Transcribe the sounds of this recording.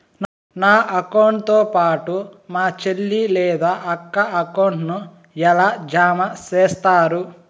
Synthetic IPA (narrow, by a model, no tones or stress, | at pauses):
n | naːʔɐkɐwɳʈt̪oːpaːʈumaːt͡ʃelːilɛːd̪aːʔɐkːɐɐkɐwɳʈnu | ɛlaːd͡ʒaːmɐt͡ʃeːst̪aːɾu